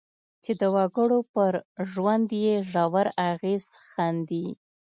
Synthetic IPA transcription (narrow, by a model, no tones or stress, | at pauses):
t͡ʃed̪əwaɡəɽopəɾʒwand̪jeʒɑwaɾaɣez̥xand̪i